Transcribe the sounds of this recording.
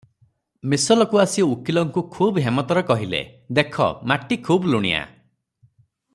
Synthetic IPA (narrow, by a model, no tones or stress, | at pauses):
misɔlɔkuasiukilɔŋkukʰubɦemɔt̪ɔɾɔkɔɦilḛd̪ekʰɔ̰maʈːikʰubluɽ̃ḭja̰